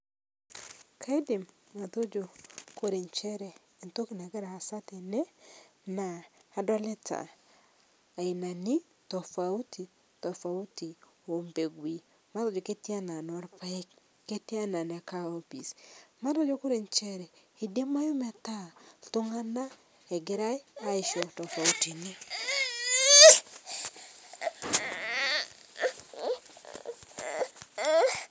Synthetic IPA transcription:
kʰa˦i˦di˨m | ŋa˨t̪o˦d͡ʒo˨ko˦ɾe˨ɲt͡ʃɛ˦ɾɛː˨nto˦ki˨na˨ɡɛ˦ɾa˨a˨sa˦te˨nɛ˦ | na˨a˨dwa˦le˦ta̰˨ | a˨i˨na˨nɪ˦ | tɔ˨fa˨u˦ti˨ | tɔ˨fa˨u˦ti˨ | o˨mbe˨ɡwi˨ | ma˦to˦d͡ʒo˨ke˦ta˦na˨nɔ˨˦ɾpa˦i˦kː | e˦ti˦a˦na˨n˨a˨ka˦o˦pi˨sma˦dɔ˦d͡ʒɔ˦kʊ˦ɾe˨ɲt͡ʃɛ˦ɾɛ˨ | i˨de˦ma˦jʊ˦mɛ˨ta˦tʊ˦ŋa˦na˦ | ɛ˨ɡɪ˦ɾa˦i˦a˦ɪ˨ʃɔ˨tɔ˨fa˨u˦ti˨ni˦

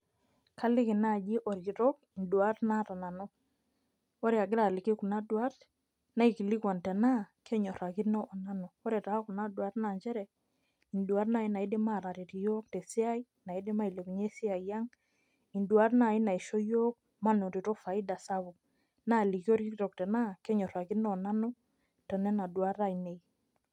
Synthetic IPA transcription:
ka˦lɪ˦kɪ˨na˦˨d͡ʒɪ˦ʔɔ˨ɾɡi˨ɾɔ˦k̚i˨ndwa˦ɾna˦ta˨na˨nɔ˦ | o˦ɾe˦a˨ɡɪ˦ɾa˨lɪ˨ke˦ku˨na˦dwa˦t | na˦i˨ki˨lɪ˦kwa˨ntɛ˨na˦kɛ˦ɲɔ˨ɾa˨kɪ˦nɔ˦ʔɔ˨na˦nɔ˨ɔ˦ɾɛ˨ta˨a˦ku˨na˦dwa˦tna˨ɲd͡ʒɛ˦ɾɛ˨ | i˨ndu˨a˦tna˦i˦na˨i˦de˦ma˦˨ɾa˨ɾi˨ti˨jo˦kte˨si˦a˦i˦ | na˨i˦de˦ma˦i˨le˨ku˨ɲe˦sɪ˦a˨i˨ja˦ŋ | i˨ndu˨a˦tna˨i˦na˨i˨ʃo˦jo˦k̚ | ma˦no˨ɾi˨tɔ˦fa˨i˦da˨sa˦βʊ˨k | na˦˨li˨ki˦o˦ɾi˦tɔ˨k̚tɛ˨na˦ke˦ɲɔ˨ɾa˨ki˦nɔ˦˨na˦nu˦ | tɛ˨nɛ˦na˨dwa˦ta˦i˨ne˨j

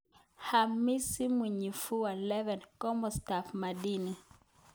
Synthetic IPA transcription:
ha˨mi˦si˦mu˨ɲi˨fu˦wa˨lɛ˦vɛ˨nkɔ˦mɔ˨sta˨fma˨di˦ni˨

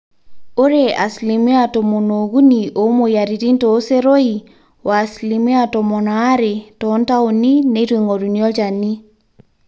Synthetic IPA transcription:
o˦ɾea˨sli˨me˦a˨tɔ˨mo˨no˨ɡu˦niʔo˨˦mo˨ja˨ɾi˨ɾi˦ntɔː˨˦se˦ɾo˦i˨ | wa˨sli˨me˦a˨tɔ˨mɔ˨naː˨˦ɾe˨tɔ˦nta˦u˨ni˦ne˨˦ɾwe˨ŋo˨ɾu˨ni˨ɔ˦d͡ʒa˨ni˦

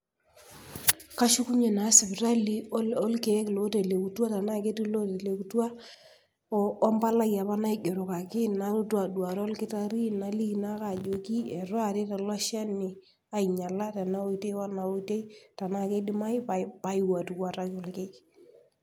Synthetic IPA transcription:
ka˦ʃu˦ku˦ɲe˨na˨˦sɪ˨bɾa˦li˦ɔ˦lke˨˦klo˨˦te˨le˨ku˨twa˦ta˨na˦ke˦ti˦lo˦te˨le˨ku˨twa˦ | ɔː˦mba˦la˦ja˨pa˦na˦i˦ɡo˨ɾo˨ka˨kɪ˦na˨˦ɾu˦tu˦a˨dwa˨ɾɔ˦lkɪ˦ta˦ɾi˦na˨li˦na˦ka˨d͡ʒo˨ki˦e˨ɾɔ˦a˨ɾe˦ta˨la˦ʃa˦nɪ˨ | a˨i˨ɲa˨la˦ta˨na˦o˦i˦te˦wa˦na˨o˦te˦i˦ta˨na˦ke˦dɪ˦ma˦jpapa˨ɪ˦wa˨tu˨kwa˦ɾa˦ko˦lke˦k

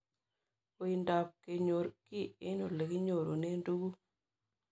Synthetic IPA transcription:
o˨i˨nda˨p̚ke˨ɲo˨ɾki˦ɪ˦no˨le˨ki˦ɲo˨ɾo˨ne˦ndu˦ɡu˦

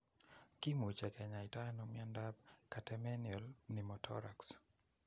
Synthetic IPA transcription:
ki˦mu˨t͡ʃɛ˨kɛ˨ɲa˨ɪtano˨mja˦ndab̚ka˨tɛmɛ˦njɔlni˨mɔtʰɔ̰ɾa˨ks

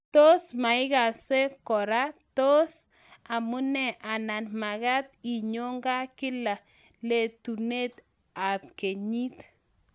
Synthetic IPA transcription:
to˦sma˨ɪ˦ɣa˨se˦kɔ˨ɾa˦to˦s | a˨mu˦nɛ˨ʔa˨na˨nma˨ɣa˦t̪̚i˨ɲo˦ŋɡa˦kɪ˦la˨ | le˨tu˨ne˦t̪ | a˨p̚ke˨ɲi˦t̪

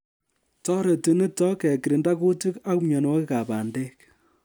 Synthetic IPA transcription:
tɔ˦ɾe˨ti˨ni˦tɔ˦kɛ˨ki˨ɾi˨nda˦ku˦ti˦ka˦kmɲɔ˨nwɔ˦kɪ˦ka˨pa˨nde˦k̚

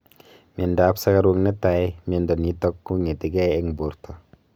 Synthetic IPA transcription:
mje˨nda˨˦psa˦ka˦ɾu˧ŋne˦ta˨jmi˦e˧ndɔ˨ni˦tɔ˦kːu˦ŋe˨te˨ɡe˦e˦ŋbo˨ɾto˨

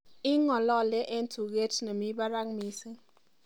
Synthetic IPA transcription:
ɪ˦ŋɔ˨lɔ˦˨lɛ˦ʔɛ˦ntʰu˨ɡe˦tna˨mi˦ba˦ɾa˦ŋmi˨se˦ŋ

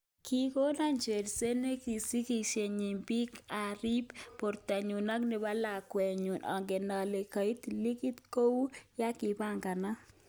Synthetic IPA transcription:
ki˦ko˦na˦nd͡ʒe˨ɾse˦ne˦ki˨si˦ki˨ʃe˨ɲi˨mbi˦ka˨ɾi˦bpo˨ɾt̪a˨ɲu˨na˦knɪ˨ba˦la˨kwɛ˨ɲu˨nɔ̰˨ŋɡe˨na˨le˨ka˨i˦t̪li˦ki˦t̪ko˦wu˦ja˦kɪ˨ba˦ŋɡa˨na˦

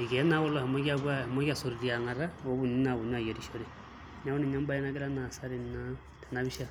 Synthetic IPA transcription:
i˨kɛ˨˦na˦wɔ˦lɔ˦˨ha˨mɔ˦ɣa˦βwa˦hmɔ˦ka˨so˨ɾi˨ɾi˨a˨ŋa˨ɾa˦o˨˦βu˨ni˦na˨βu˨ɲ˦a˦˨jo˨ɾi˨ʃo˦ɾe˨ | ɲa˦o˦ni˨ɲa˦mba˦ɛ˦na˦ke˦ɾa˦na˨sa˦ɾi˨na˦ | tʰɛ˨na˦βi˦ʃa˦

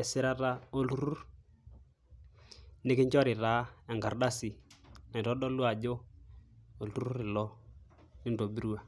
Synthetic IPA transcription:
ɛ˨sɪ˦ɾa˦ta˦o˦lu˦ɾu˦ɾ | nɪ˦kɪ˦ɲt͡ʃɔ˦ɾɪ˨taː˨˦ɛ˨ŋɡa˨ɾda˦sɪ˨ɛ˨n˨ɾɔ˦dɔ˦lwa˨d͡ʒo˦ | o˨lu˦ɾu˦ɾɪ˨lɔ˦ | nɪ˦ndo˨bi˦ɾu˦a˨

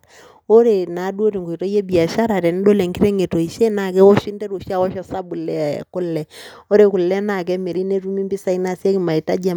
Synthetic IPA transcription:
o˦ɾe˨na˨˦du˦o˦ɾi˨ŋɡo˨i˨to˦je˦bi˨a˨ʃa˦ɾa˨ɾɛ˨n˦ɗo˦le˨ŋki˦ɾe˦ŋe˨to˨i˨ʃe˦na˨kɛ˦wo˦ʃi˦ndɛ˦ɾu˨ʃa˦wɔ˦ʃa˦sa˦bu˨lɛ˦a˨jɛ̰˨ku˦lːɛ˨o˦ɾe˨ku˨lɛ˦na˨kɛ˦me˨ɾi˦ne˦ɾu˦mi˦mbi˦sa˦i˦na˦si˦e˦ki˨ma˨i˨ta˦d͡ʒɛ˦

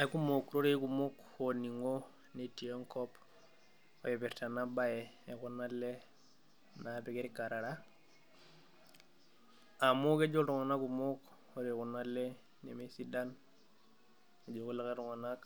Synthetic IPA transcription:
a˨˦ku˦mo˨kɾo˦ɾe˦ku˨mo˦kho˨ni˨ŋo˦ | ne˨ti˨o˦ŋkɔ˦p | o̰˨je˨be˨ɾta˨na˦ba˦je˨ | e˨ku˦na˦le˦ | na˨bi˨ke˦ɾi˦ka˨ɾa˨ɾa˦ | a˨mo˦ke˦d͡ʒo˦ɾu˨ŋa˨na˦ku˨mo˦k | o˦ɾe˨ku˨na˦le˦ | nḛ˨me˦si˦da˦n | e˨d͡ʒo˨ku˦la˦ke˦ɾu˨ŋa˨na˦k

